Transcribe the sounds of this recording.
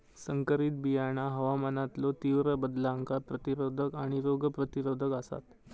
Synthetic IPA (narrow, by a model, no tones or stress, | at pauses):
səŋkəɾit̪̚bijaɳ̃aɦəʋamənat̪lɔt̪iʋɾəbəd̪laəŋkʰapɾət̪iɾod̪ʱəkaɽ̃iɾoɡəpɾət̪iɾod̪ʱəkasa̰t̪